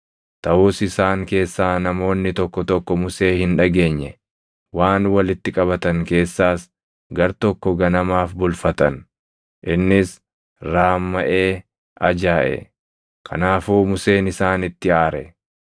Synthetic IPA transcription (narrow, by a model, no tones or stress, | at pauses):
t̪ɐʔuːsɪsaːŋke̞ːsːaːnɐmo̞ːnːɪt̪ɔkːɔt̪ɔkːɔmʊse̞ːhɪnᶑɐɡe̞ːɲːɛ | waːnwɐlɪt̪ːɪkʼɐβɐt̪ɐŋke̞ːsːaːs | ɡɐɾt̪ɔkːɔɡɐnɐmaːfbʊlfɐt̪ɐn | ʔɪnːɪs | ɾaːmːɐʔe̞ː | ɐd͡ʒaːʔɛ̰ | kʰɐ̰naːfuːmʊse̞ːnɪsaːnɪt̪ːɪaːɾɛ̰